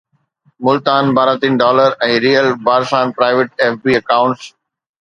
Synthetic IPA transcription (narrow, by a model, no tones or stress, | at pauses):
mʊlt̪aːnbaːɾãt̪inɖɔːləɾɛ̃ːɾijəlbaːɾsaːnpɾaːɪʋɪʈeːfbiːɐkãːʊ̃ɳʈs